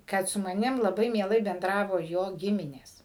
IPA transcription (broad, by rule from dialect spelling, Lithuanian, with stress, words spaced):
ˈkɐt sʊ mɐˈnʲɪm lˠɐˈbɐɪ mʲiɛˈlˠɐɪ bʲɛnˈdrɑːʋoː joː ˈɡʲɪmʲɪnʲeːs